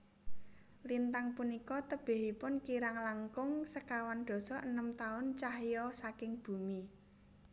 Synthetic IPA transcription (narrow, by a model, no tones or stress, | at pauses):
lint̪aŋpunikɔt̪əb̥e̤ɦipʊnkiɾaŋlaŋkʊŋsəkawand̪̥ɔ̤sɔʔənəmt̪aʊnt͡ʃahjɔsakɪŋb̥ṳmi